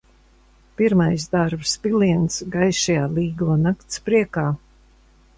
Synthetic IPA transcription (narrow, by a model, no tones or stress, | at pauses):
piɾmajsd̪aɾbspiliɛnsɡajʃajaːliːɡuɔnakt̪spɾiɛkaː